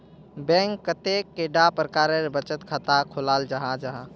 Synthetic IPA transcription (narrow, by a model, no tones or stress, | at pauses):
bɛ̃ŋkːət̪ekːeɖapɾəkaɾeɾbət͡ʃət̪kʰat̪akʰolald͡ʒəɦãd͡ʒəɦã